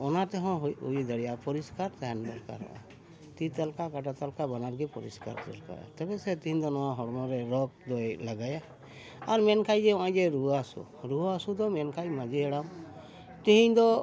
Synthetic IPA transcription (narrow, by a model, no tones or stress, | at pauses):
ɔnat̪ɛɦɔ̃ɦujṵid̪əɽijapɔɾiskaɾt̪ɛɛnb̪ɔlka̰ɾɔ̰̃ʔa̰ | t̪it̪alkakaʈat̪alkabanaɾɡipɔɾḭska̰ɾt̪ɛ̰lka̰ɾa̰t̪ɛbɛsɛt̪iɦĩɲd̪ɔnɔwaɦɔɽmɔ̃ɾɛɾɔk̚d̪ɔjlaɡaja | aɾmɛnkʰajd͡ʒɛɔ̃ãd͡ʒɛɾuasṵ | ɾuasud̪ɔmɛnkʰajmãd͡ʒiɛɽam | t̪iɦĩɲd̪ɔ